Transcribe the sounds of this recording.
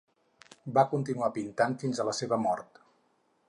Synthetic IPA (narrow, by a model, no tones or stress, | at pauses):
bakunt̪inuapint̪anfinzələseβəmɔɾt̪